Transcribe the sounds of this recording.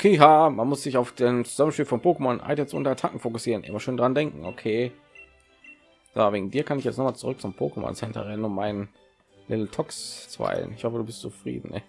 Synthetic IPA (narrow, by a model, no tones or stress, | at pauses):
kʰiɦaːmanmʊsz̥ɪçaʊfd̥eːnmt͡suzamən̩ʃpiːlfɔnpʰoːkəmɔnʔa̰ɪtɛtsʔʊ̰ntɛɐtʰakŋ̩foːkʊsiːʁənʔɪ̰mɐʃøːndaʁandɛŋkŋ̩okʰeː | z̥a̰veːɡŋ̩diːɐkʰanɪçjɛt͡stnɔχmaːlt͡sʊʁʏk̚t͡sʊmpʰo̰ːkəmɔ̰nsɛntɐ̰ʁɛnənʊnmaɪnən | lɪtl̩tʰɔkst͡sv̥a̰ɪl̰nɪçhɔfəduːbɪstt͡sufʁ̥ḭːdn̩ɛ̰